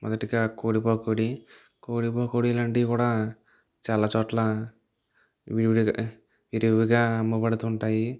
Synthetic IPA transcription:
mɔ̰d̪ɐʈiɡaːkoːɽipoːkoːɽi | koːɽipɔːkoːɽilaːɳʈikuːɽaː | t͡ʃaːlaːt͡ʃɔːʈla | ʋiɽ | ʋiɾʋiɡaːɐmbupɐɽɐt̪uːɳʈaːji

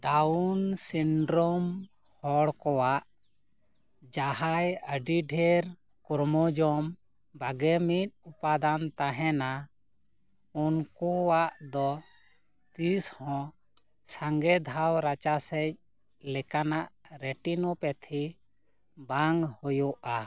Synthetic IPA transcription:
ɖaunsiɳɖɾɔm | hɔɽkɔwaʔ | d͡ʒaɦajəɖiɖʱɛɾ | kɔɾmɔd͡ʒɔm | baɡɛmit̪̚ˀupad̪ant̪aɦɛna | unkuwaʔd̪ɔ | t̪ishɔ̃ | saŋɡɛd̪ʱawɾat͡ʃasɛc̚ | lɛkanaʔɾɛʈinɔpɛt̪ʰi | baŋɡhujɔʔa

